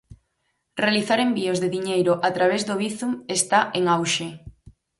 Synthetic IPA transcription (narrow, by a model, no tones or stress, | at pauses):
realiθaɾembiozðeðiɲejɾoʔat̪ɾaβ̞ezðoβiθumest̪aʔeŋawʃe